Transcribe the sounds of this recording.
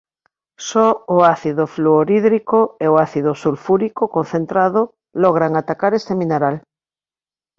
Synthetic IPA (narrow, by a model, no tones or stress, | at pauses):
sɔʊaθiðʊfluoɾiðɾikoeʊaθiðʊsulfuɾikʊkõn̟θent̪ɾaðʊ | lɔɣ̞ɾaŋat̪akaɾest̪emĩneɾal